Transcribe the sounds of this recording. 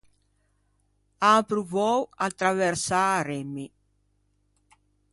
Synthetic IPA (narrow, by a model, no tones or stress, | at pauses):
apɾuvɔwat̪ːɾavɛɾsaːɾemi